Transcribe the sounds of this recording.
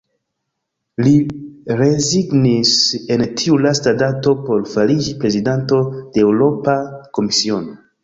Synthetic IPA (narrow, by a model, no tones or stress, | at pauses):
liɾe̞ziɡnise̞ntʰiulastadato̞po̞lfalid͡ʒipɾe̞zidanto̞d̥eːwɾo̞pako̞misio̞no